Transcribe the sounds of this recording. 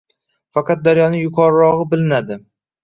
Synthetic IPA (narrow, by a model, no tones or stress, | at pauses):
fɑqʰɑt̪̚d̪aɾjɒnɪjʊqʰɒɾɾɒʁɨbɪlɪnad̪ɪ